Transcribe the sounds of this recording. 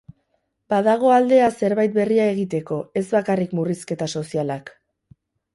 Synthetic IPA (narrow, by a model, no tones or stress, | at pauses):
baðaɣ̞o̞ald̪e̞ase̞ɾβajt̪̚be̞riae̞ɣ̞it̪e̞ko̞e̞zβakarikmuriske̞t̪aso̞sialak